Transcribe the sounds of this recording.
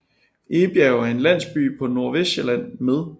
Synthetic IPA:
ʔeːb̥jɛʊæe̝nlæn̰sb̥y̰ːpʰɒ̽no̝ɐ̰ʋeselæn̰með̞ˠ

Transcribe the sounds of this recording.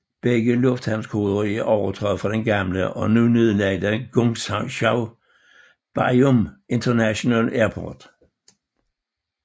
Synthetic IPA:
b̥eɡ̥əlɔ̽fd̥hænl̩skʰo̝ːðˠɐʁiæɐʔɒʊɐt͡sʰʁœð̩ˠfʁɑ̈d̥enɡ̥ɑ̈mləʔɒ̽nunøðˠlɛd̥æɡ̥oŋsɕɑʊ | b̥ɑome̝nt͡sʰɐnæɕo̝nælæɐpʰɒ̰d̥

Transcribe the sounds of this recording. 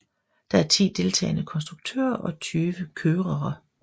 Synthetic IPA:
d̥ɑ̈æɐt͡sʰḭːd̥e̝lt͡sʰɛ̰ɪnəkʰɒ̽ns̬d̥ʁuɡ̥̚t͡sʰø̰ːɐʔɒ̽t͡sʰyːʋəkʰøːʁɐɐ

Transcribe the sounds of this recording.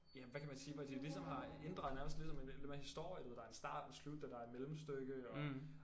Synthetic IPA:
jæʋækʰæmænsiːʋɒd̥ilisɒ̽mɦɑ̈e̝nd̥ʁɑ̈ːð̩ˠnæɐməsd̥lisɒ̽menlemæhisd̥o̝ɐ̰jəduhḛdɑɐe̝nsd̥ɑ̰̈ːd̥ɒslud̥æd̥ɑ̈æɐed̥melm̩sd̥øɡ̥əɒ̽

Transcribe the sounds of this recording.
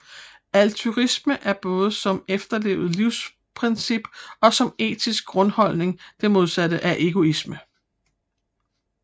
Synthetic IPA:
ælt͡sʰuʁisməʔæɐb̥ɔ̽ːð̞̩ˠəsɒ̽mefd̥ɐle̝̰ːʊð̞̩ˠliʊ̰s | pʰʁɛnsib̥ɒ̽sɒ̽me̝̰ːd̥ʰisɡ̥̚ɡ̥ʁɔ̽nhɒ̽l̰ne̝ŋd̥e̝mo̝ð̞ˠsæd̥əʔæʔe̝ɡ̥o̝ismə

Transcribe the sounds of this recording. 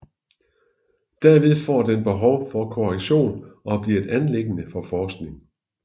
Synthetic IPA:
d̥æɐ̰ʋe̝ðˠfɒ̰ːd̥enb̥eɦɒ̽ʊfɒ̽kʰo̝æliɕo̝̰ːnʔɒ̽b̥liɐe̝d̥ænleɡ̥ənəfɒ̽fɒːsɡ̥ne̝ŋ̩

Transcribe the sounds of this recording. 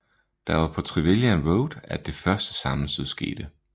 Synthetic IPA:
d̥ɑ̈ʋɑ̈pʰɒ̽t͡sʰʁiʋiljænʁoʊd̥æd̥e̝fɶɐsd̥ə̥sɑ̈mn̩steðˠsɡ̥e̝̰ːd̥ə

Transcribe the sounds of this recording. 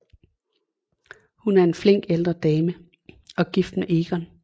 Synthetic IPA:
hunæɐe̝nfle̝ŋ̰ɡ̥eld̥ʁɐd̥ɛːmə | ɒ̽ɡ̥ifd̥meʔe̝ːɡ̥ɒn

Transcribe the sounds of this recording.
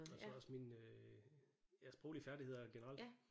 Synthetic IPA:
ɒ̥ɒɒ̽sminø | æsb̥ʁo̰ʊlifæɐd̥ihe̝ð̞̰ˠɐɐɡ̥e̝nəʁɑ̈l̰d

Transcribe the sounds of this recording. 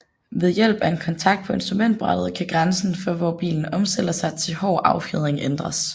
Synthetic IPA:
ʋe̝ð̞ˠjel̰b̥æe̝nkʰɒ̽nt͡sʰɑ̈ɡ̥̚d̥̚pʰɒ̽e̝nsd̥ʁumen̰d̥̚b̥ʁɑd̥ð̞̩ˠkʰæɡ̥ʁɑnsn̩fɒʋɒːb̥ḭːln̩ɒ̽msd̥eləsɑ̈ɪt͡sʰe̝lhɒ̰ːʔɑ̈ʊfið̞ˠeŋʔend̥ʁɐs

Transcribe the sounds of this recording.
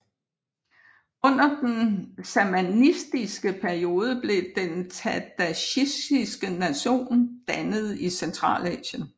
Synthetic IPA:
ɔ̽n̰ɐd̥ensæmænisd̥isɡ̥əpʰæɐio̝ːð̞ˠəb̥le̝d̥ent͡sʰæd̥æɕisd̥isɡ̥ənæɕo̝̰ːnd̥ænəð̞̩ˠisent͡sʰʁɑ̰̈ːlɛ̰ːɕən

